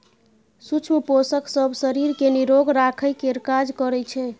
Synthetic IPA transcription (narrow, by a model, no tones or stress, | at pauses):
sut͡ʃʰməposəksəbsəɾiɾkeniɾoɡɾakʰəjkeɾkad͡ʒkəɾɛt͡ʃʰɛ